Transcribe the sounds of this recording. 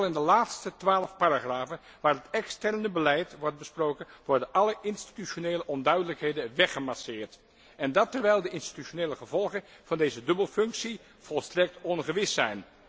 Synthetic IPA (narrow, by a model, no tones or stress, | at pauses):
lˠɪndəlaːtstətʋaːləfpaːɾaχraːvən | ʋaːɹɦətɛkstɛɹnəbəlɛjtʋɔɹt̚bəsprowkənʋɔɹdənʔɑləʔɪnsti̥tyʃoneːləʔɔndœɥdələkɦejdəʋɛχəmasɪːɹt | ɛndɑtɛɹʋɛjlˠdəɪnsti̥tyʃoneːləχəvɔlˠχənv̥ɑndejzədɵbəlˠfɵŋksi | v̥ɔlˠstrɛk̚tɔnχəʋɪsɛjn